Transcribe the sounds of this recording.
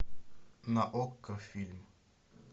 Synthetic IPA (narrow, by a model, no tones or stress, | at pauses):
naʔɔkːafilm